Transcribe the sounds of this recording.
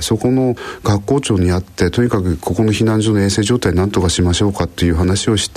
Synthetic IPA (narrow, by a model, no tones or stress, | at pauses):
so̞ko̞no̞ɡ̥akːo̞ːt͡ɕo̞ːɲ̟iat̪ːe̞t̪o̞ɲ̟ikakɯ̟kʰo̞ko̞no̞çinãɲd͡ʑoːnoeːse̞ːʑoːt̪ainãnt̪o̞kaɕimaɕo̞ːkat̪ːo̞jɯ̟ːɦanaɕio̞ɕi̥t̪